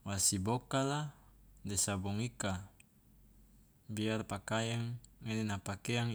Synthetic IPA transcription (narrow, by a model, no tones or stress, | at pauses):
wasibokaladɛsabɔŋika | biarpakajaŋːenenapakeaŋ